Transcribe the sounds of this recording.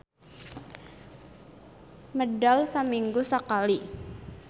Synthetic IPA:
mədalsəmiŋɡusəkali

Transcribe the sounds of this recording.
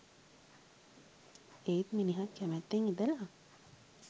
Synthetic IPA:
eit̪miniɦakːæmet̪ːeŋid̪ela

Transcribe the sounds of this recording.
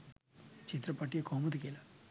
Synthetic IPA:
t͡ʃit̪ɾɐpaːʈijekoːmɐd̪ikela

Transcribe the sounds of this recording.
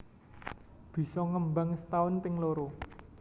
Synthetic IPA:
b̥i̤sɔŋəmbaŋst̪aʊnt̪ɪŋloɾo

